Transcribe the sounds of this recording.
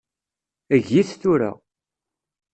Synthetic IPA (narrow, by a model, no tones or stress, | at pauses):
əʝiθθuɾa̰